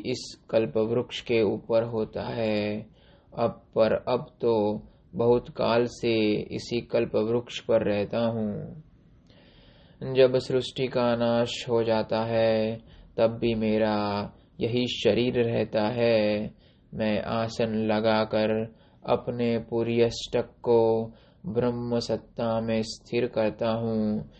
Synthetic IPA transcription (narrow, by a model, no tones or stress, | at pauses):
ɪskəlpəʋɾʊkʃkeuːpəɾɦoːt̪a̰ɦɛː | ɐbpəɾɐbt̪o | bɐɦʊt̪kaːlseɪ̰sikəlpəʋɾʊkʃpəɾːɛɦt̪aɦũː | d͡ʒɐbsɾʊsʈikanaːʃɦod͡ʒaːt̪aɦɛt̪ɐbːimeːɾa | jɐɦiʃɐɾiːɾɾɛɦt̪aɦɛː | mɛ̃ːʔaːsənlɐɡakəɾ | ɐ̰pnepuːɾjəsʈəkːo | bɾəmːəsɐt̪ːamẽst̪ʰɪɾkɐɾt̪aɦũː